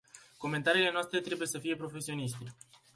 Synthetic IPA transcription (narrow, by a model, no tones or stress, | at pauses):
ko̞me̞nt̪aɾiːle̞noast̪ɾe̞t̪ɾe̞buje̞səfije̞pɾo̞fe̞sio̞niʃt̪e